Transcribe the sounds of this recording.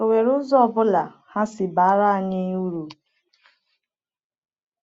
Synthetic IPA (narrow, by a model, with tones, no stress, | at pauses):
o˨we˨ɾʊ˦zɔ˦˨bʊ˦la˨ha˦sɪ˨ba˨˦ɾa˦˨ɲɪ˦u˦ɾu˨